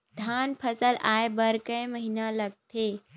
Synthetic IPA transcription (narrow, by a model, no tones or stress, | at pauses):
d̪ʱjaːnpʰəsəlʔaːebəɾkə̃ẽməɦinaləɡ̚t̪ʰeː